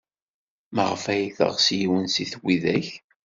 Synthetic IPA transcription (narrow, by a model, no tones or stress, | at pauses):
məʁəfæjiθə̰ʁsjiwənsiθwiðæç